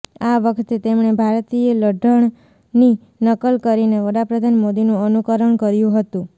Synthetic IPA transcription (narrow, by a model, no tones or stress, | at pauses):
aʋəkʰt̪et̪emɳebʱaɾt̪ieləɖʱəɳ | ni | nəkəlkəɾineʋəɽapɾəd̪ʱanmod̪inũənukəɾəɳkəɾjũɦət̪ũ